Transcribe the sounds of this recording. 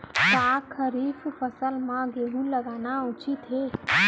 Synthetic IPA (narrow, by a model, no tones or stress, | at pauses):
kaːkʰəɾiːffəsəlmãɡeːɦũlɐɡaːnaʊt͡ʃit̪ɦeː